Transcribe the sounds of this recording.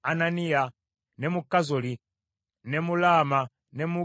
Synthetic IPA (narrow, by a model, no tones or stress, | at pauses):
ananija | nɛmukazɔli | nɛmulama | nɛmu